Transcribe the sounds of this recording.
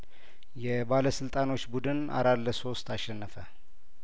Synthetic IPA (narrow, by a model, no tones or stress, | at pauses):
jɛbaləsɨlt̪ʼano̞t͡ʃːbud̪ɨna̰ɾat̪lːəso̞st̪ʰaʃːɛnːəfə